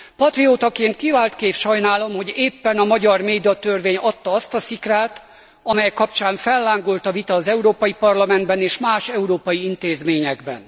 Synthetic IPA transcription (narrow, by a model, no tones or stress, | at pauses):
pɒt̪rioːt̪ɒkeːnt̪̚kivaːlt̪keːfʃɒjnaːlo̞mho̞ɟeːpːɛnɒmɒɟɒrmeːd̪iɒt̪ørveːɲɒt̪ːɒɒst̪ɒsikraːt̪ | ɒmɛjɛkɒpt͡ʃaːɱfɛlːaːŋɡolt̪ɒvit̪ɒːzɛuɾoːpɒjipɒrlɒmɛnd̪bɛneːʃmaːʃɛuɾoːpɒjiint̪eːzmeːɲɛɡbɛ̰n